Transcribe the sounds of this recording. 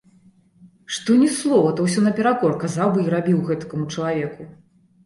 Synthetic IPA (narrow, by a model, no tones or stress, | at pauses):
ʂt̪ɔnʲislˠɔvɐt̪ɐwsʲɔnɐpʲɛɾakɔrkazawbɨiɾabʲiwɣɛt̪ɐ̥kɐmut͡ʂɐlˠavʲɛku